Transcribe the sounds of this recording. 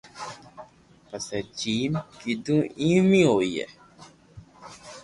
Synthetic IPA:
pəsɛt͡ʃiːnkidũĩmĩojɛ̰

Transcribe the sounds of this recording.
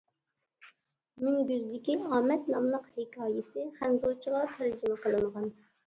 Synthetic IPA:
mɪŋbyɾd̪ɪkʲiɑːmɛt̪nɑmlˠəqhɪkʲʰɑːjɪsɪχænɡoɾt͡ʃʰəʁɑt̪ʰæɾd͡ʒɪmɛqəlˠɨɴʁɑn

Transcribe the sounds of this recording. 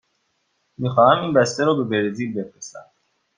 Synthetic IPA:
miːxɒːhæmiːnbæst̪eɾɔːbe̞beɾziːlbe̞fɾesæ̰m

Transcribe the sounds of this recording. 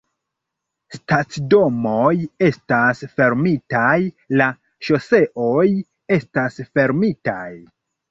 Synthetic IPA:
stat͡sdo̞mo̞je̞stasfe̞ɾmitaj | la | ʃo̞se̞ʔo̞j | e̞stasfe̞ɾmita̰j

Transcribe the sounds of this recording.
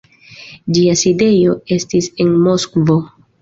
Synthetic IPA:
d͡ʒiaside̞jo̞e̞stise̞nmo̞skvo̞

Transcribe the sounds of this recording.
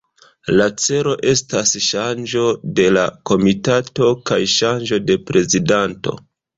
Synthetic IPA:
lat͡se̞ɾo̞ʔe̞stasʃand͡ʒo̞de̞lako̞mitato̞kajʃand͡ʒo̞de̞pɾe̞zidanto̞̰

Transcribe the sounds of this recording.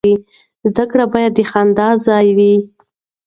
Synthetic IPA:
i | zd̪akɽabɑjad̪ːəxand̪ɑzɑjwi

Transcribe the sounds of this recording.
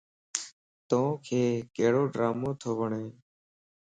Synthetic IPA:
t̪õːkʰeːkeːɽoːɖɾaːmõːt̪ʰoːʋəɳeː

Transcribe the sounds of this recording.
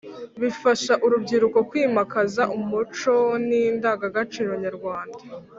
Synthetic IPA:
βifaʃaʔuɾubɡiɾuko̞kwiːmakazaʔumut͡ʃo̞nindaːɡaɡat͡ʃiːɾo̞ɲaɾɡwaːnda

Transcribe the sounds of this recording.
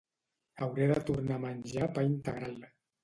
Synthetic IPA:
awɾeðət̪uɾnamanʲʒapaint̪əɣɾal

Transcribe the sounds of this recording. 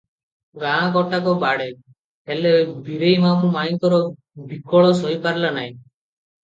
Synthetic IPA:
ɡããkɔʈakɔbaɽe | elebʱiɾejmamumajt̪ɔɾɔ | bikɔɭɔsɔipaɾlanaĩ

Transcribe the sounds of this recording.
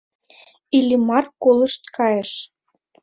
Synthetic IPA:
ilʲimɑrkolə̆ʃt̪kɑjeʃ

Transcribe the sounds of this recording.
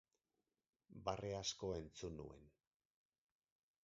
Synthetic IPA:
bare̞asko̞e̞nt͡sunṵe̞̰n

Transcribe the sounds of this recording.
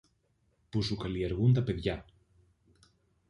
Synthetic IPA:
pusukɐlie̞ɾɣunt̪ɐpe̞ðʝɐ

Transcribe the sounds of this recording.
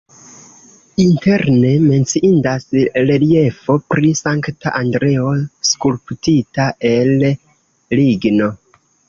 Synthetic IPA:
inte̞ɾne̞me̞nt͡siʔindasɾe̞lie̞fo̞pɾisaŋktaʔandɾe̞o̞skulptitae̞l | liɡno̞

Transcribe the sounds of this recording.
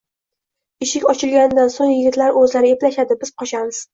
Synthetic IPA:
ɪʃɪkʲɒt͡ʃʰɪlɡʲand̪ansoŋjɪɡʲɪt̪laɾʔɵzlaɾɪeplaʃad̪ɪbɪzqʰɒʃamɪz̥

